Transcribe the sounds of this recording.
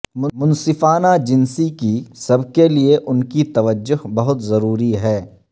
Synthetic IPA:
ʊmʊnsɪfaːnad͡ʒɪnsikisɐbkelieʔʊnkit̪ɐʋəd͡ʒːʊɦbɐɦʊt̪zɐɾuːɾiɦɛː

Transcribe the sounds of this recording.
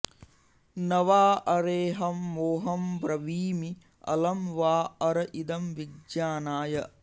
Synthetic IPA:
nɐʋaːɐɾeːɦɐmːoːɦɐmbɾɐʋiːmi | ɐ̰lɐmʋaːɐɾɐʔid̪ɐmʋiɡjaːnaːjɐ

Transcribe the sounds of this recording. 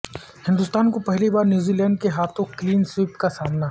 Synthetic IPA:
hɪ̃nd̪ʊst̪aːnkopɛɦlibaːɾnjuːzilɛ̃ːɳɖ̚keɦaːt̪ʰõkliːnswɪpkasaːmna

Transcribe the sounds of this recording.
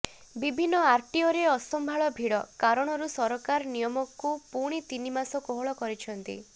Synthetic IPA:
bibʱinːɔaɾʈiɔɾeɔsɔmbʱaɭɔbʱiɽɔkaɾɔɽ̃ɔɾusɔɾɔkaɾɔnijɔmɔkːupuɽ̃it̪inimasɔkoɦɔɭɔkɔɾit͡ʃʰɔnt̪ḭ

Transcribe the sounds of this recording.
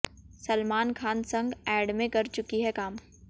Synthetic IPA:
sɐlmaːnkʰaːnsɐ̃ŋɡɛːɖmẽkɐɾt͡ʃʊkiɦɛkaːm

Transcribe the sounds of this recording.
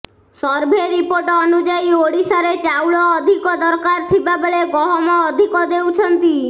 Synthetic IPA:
sɔɾbʱeɾːipoɾʈɔːnud͡ʒaioɽisaɾet͡ʃawɭɔːd̪ʱikɔd̪ɔɾkaɾt̪ʰibabɭeɡɔɦɔmɔːd̪ʱikɔd̪ewt͡ʃʰɔnt̪i

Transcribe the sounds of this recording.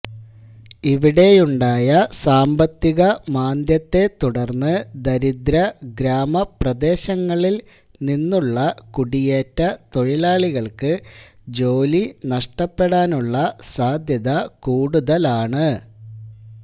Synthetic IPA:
iʋiɽe̞juɳɖaːjɐsaːmbɐt̪ːiɣɐmaːnd̪jɐt̪ːe̞t̪uɽɐrnːɨd̪ɐɾid̪ɾɐɡɾaːmɐprɐd̪e̞ːɕɐŋːɐɭil | ninːuɭːɐkuɽijeːtːɐt̪o̞ɻilaːɭiɣɐɭkɨd͡ʑo̞ːlinɐʂʈɐpːe̞ɽaːnuɭːɐsaːd̪ʱjɐðɐkuːɽuðɐlaːɳɨ

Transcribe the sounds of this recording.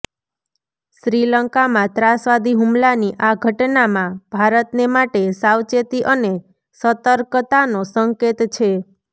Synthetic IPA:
ʃɾiləŋkamãt̪ɾasʋad̪ʱiɦumlaniʔaɡʱəʈnamãb̥ʱaɾət̪nemaʈesawt͡ʃet̪iʔəne | sət̪əɾkt̪anosəŋket̪t͡ʃʰe

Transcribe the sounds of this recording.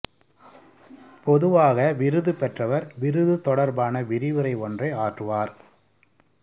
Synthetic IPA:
pɔðɯʋaːɣɐʋɪɾɯðɯpɛʈrɐʋɐɾʋɪɾɯðɯt̪ɔɽɐɾbaːnɐʋɪɾɪʋɯɾɐɪɔndrɐɪaːʈrɯʋaːɾ

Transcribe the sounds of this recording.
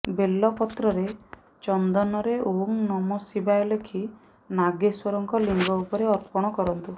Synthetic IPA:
belːɔpɔt̪ɾɔɾe | t͡ʃɔnd̪ɔnɔɾeʔoŋnɔmɔsibajlekʰi | naɡeswɔɾɔŋkɔliŋɡɔupɔɾeɔɾpɔɽ̃ɔkɔɾɔnt̪u

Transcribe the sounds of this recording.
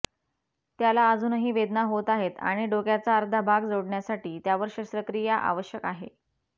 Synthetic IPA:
t̪jalaəd͡zuːnɦiːʋed̪naɦot̪aɦet̪a̰ɽ̃iɖokjat͡saəɾd̪ʱəbʱaɡd͡zoɽɳjasaʈiːt̪jaʋəɾɕəst̪ɾəkɾijaʔa̰ʋəɕjəkaɦe

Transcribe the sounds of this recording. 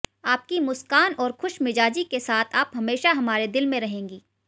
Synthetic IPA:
aːp̚kimʊskaːnɔːɾxʊʃmɪd͡ʒaːd͡ʒikesaːt̪ʰaːpɦɐmeːʃaɦɐmaːɾed̪ɪlmẽɾɐɦẽːŋɡiː

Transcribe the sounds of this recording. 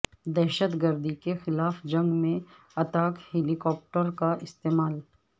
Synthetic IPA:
d̪ɛːʃət̪ɡəɾd̪ikexɪlaːfd͡ʒɐ̃ŋɡmẽ | ɐt̪aːkhɛlikɔːp̚ʈəɾkaʔɪst̪eːmaːl

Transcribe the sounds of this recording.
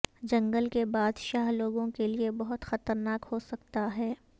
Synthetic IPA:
d͡ʒɐ̃ŋɡəlkebaːd̪ʃaːɦloːɡõkeliebɐɦʊt̪xɐt̪əɾnaːkhosɐkt̪aɦɛː

